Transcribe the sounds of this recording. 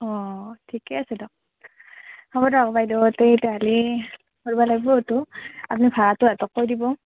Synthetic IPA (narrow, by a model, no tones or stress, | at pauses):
ɔtʰikɛasɛdɔk̚ | hɔbɔdɔkbajdɔtejtɛɦali | koɹbalaɡibɔtʊap̚nipʰaɹatʊɛtɔkːoɹjdibɔ